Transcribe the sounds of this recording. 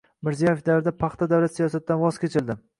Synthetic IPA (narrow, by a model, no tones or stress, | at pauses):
mɪɾzijajefd̪aɾd̪apʰɑχt̪ʰad̪awlat̪sijɒsat̪̚d̪anvɒzkʲʰet͡ʃʰɪld̪ɪ